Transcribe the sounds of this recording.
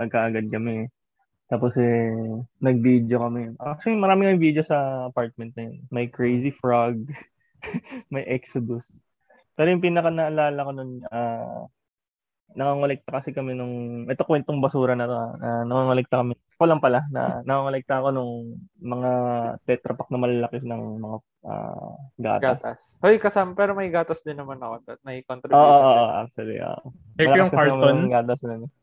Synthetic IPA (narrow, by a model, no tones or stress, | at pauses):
ɐɡ̚kaʔɐɡad̪̚kɐmɛ | t̪aːposɛ | nɐɡ̚bid̪jo̞kɐmɛjnʔasoɪmɐɾaːmɪŋmɐvid̪ejosɐɐpaɹt̪̚mɛnt̪̚nɐjonmɐjkɹɛjs̬ifɹaɡ̚ | mɐjʔɛksod̪ʊs | pɛːɾojʊŋpiːnɐkanɐʔːlaːlɐko̞nona | nɐŋaŋolɛk̚t̪ɐkɐsɛkɐmɛnʊŋʔɛt̪okwɛnt̪oŋbɐsuːɾɐnɐt̪o̞anɐnɐŋaŋolɛk̚t̪ɐkɐmɛ | kolɐŋpɐlanɐ̰nɐŋaŋolɛk̚t̪ɐːko̞nʊŋmɐŋat̪ɛt̪ɾɐpɐk̚nɐmɐlɐlɐkɪsnɐŋmɐŋa | ʔa̰ːɡa̰ːtass | hojkɐsaːmɐpɛːɾomɐjɡaːt̪ɐsd̪ɪnːɐmanɐkod̪ɐt̪̚mɐikont̪ɾɪoːʔoʔooʔa̰k̚sʊlḭʔo̰ːʔo̰ | mɛɐlɐjʊŋkɐkaɹɐtmonɡaːt̪ɐsnonɛ